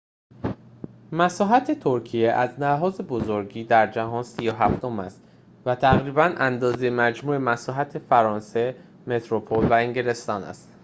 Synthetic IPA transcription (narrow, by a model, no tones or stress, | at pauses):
mæsɒːɦæt̪ʰe̞t̪ʰoɾcʰijeʔæznæɦɒːze̞bozo̞ɾɟiːd̪æɾd͡ʒæɦɒːnsijoɦæft̪o̞mæst̪ | væt̪ʰæɣɾiːbænʔænd̪ɒːzejemæd͡ʒmuːe̞mæsɒːɦæt̪ʰefæɾɒːnse̞ | me̞t̪ʰɾopʰolvæeŋɟele̞st̪ɒːnæ̰st̪